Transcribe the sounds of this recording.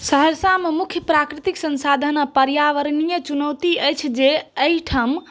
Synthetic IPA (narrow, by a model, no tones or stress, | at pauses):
səɦəɾsamemukʰjəpɾakɾit̪iksə̃nsad̪ʱənpəɾjaʋəɾnijət͡ʃunəwt̪iəjt͡ʃʰd͡ʒeəiʈʰəm